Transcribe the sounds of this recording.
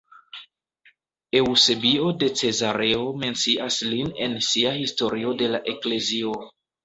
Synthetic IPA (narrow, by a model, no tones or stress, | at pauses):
e̞wse̞bio̞de̞t͡se̞zaɾe̞ome̞nt͡siʔasline̞nsiahisto̞ɾio̞de̞laʔe̞kle̞zio̞